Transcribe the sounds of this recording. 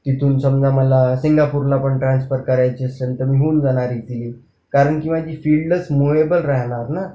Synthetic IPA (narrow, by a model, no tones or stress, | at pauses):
t̪it̪ʰuːnsəmd͡zãməlasiŋɡapuːɾlapəɳʈɾansfəɾkəɾajt͡ɕiəslent̪əɾmiːɦoːnd͡zaɽ̃aɾiːt̪iliː | kaɾəɳkĩʋad͡ʑʱiːfiːɭɖət͡smoebəlɾaɦɳ̃aɾna